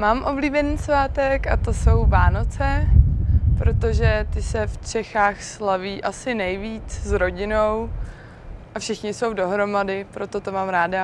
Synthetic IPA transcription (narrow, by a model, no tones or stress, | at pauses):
maːmʔo̞bliːbɛniːsvaːt̪ɛkat̪o̞so̞wvaːno̞t͡sɛ | pɾo̞t̪o̞ʒɛt̪ɪsɛft͡ʃɛxaːxslaviːʔasɪnɛjviːt͡szɾo̞ɟɪno̞w | ʔafʃɪxɲɪso̞wdo̞ɦɾo̞madɪpɾo̞t̪o̞t̪o̞maːmɾaːda